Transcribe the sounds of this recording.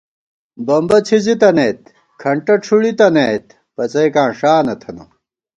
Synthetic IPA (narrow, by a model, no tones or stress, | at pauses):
bɐmbɐt͡ɕʰizit̪ɐnet̪ | kʰɐɳʈɐʈ͡ʂʰuɽit̪ɐneːt̪ | pɐt͡sɐjkãːʂaːnɐt̪ʰɐnɐ̰